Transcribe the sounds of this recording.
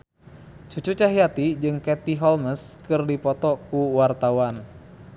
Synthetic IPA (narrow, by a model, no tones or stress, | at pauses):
t͡ʃut͡ʃut͡ʃaɦiat̪id͡ʒɨŋkɛt̪iɦɔlməskɨrdipɔt̪ɔkuwart̪awan